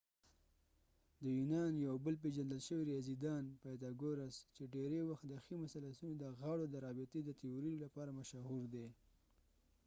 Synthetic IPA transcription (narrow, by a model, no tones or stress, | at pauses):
d̪əjunɑnjawbəlpeʒand̪əlʃəwiɾɑzid̪ɑnpad̪ɑɡoɾast͡ʃeɖeɾewaxt̪d̪əximʊsalasunod̪əɣaɽod̪əɾɑbɪt̪ed̪ət̪iuɾilapɑɾamaʃahuɾd̪e